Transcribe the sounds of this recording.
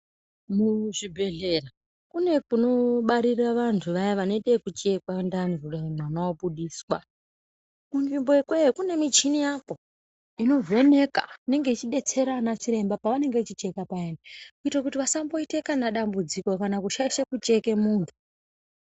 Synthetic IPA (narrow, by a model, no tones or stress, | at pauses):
muʐibʱe̞ɮera | kune̞kuno̞ɓaɾiraʋantʰuʋajaʋano̞itekut͡ʃe̞kwandanzurananaoɓuɗiːswa | kunvimboekwekune̞mit͡ʃinijapo̞ | ino̞vo̞ne̞ka̰ine̞ŋɡe̞it͡ʃiɗe̞t͡se̞ɾanat͡ʃiɾe̞mbapaʋane̞ŋɡet͡ʃit͡ʃe̞kapaendakuitak̬utiʋasambo̞itekanaɗambud͡ziko̞kanakuʃaiʃekut͡ʃe̞ke̞muːntʰu̥